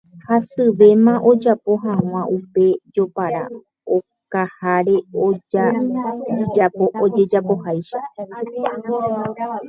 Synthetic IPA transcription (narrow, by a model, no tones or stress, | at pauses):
hasɨʋe̞mãʔo̞d͡ʒapo̞ɦãw̃ãʔupe̞d͡ʒo̞paɾa̰ | o | kahaɾe̞oa | d͡ʒapood͡ʒe̞d͡ʒapo̞hajʃa